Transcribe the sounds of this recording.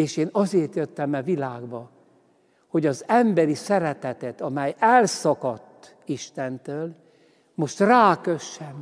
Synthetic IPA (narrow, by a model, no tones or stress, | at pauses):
eːʃeːnɒzeːrt̪jøt̪ːɛmɛvilaːɡbɒ | ho̞ɟɒzɛmbɛɾisɛɾɛt̪ɛt̪ɛt̪ɒmɛjɛlsɒkɒt̪ː | iʃt̪ɛnt̪øːl | mo̞ʃt̪raːkøʃːɛm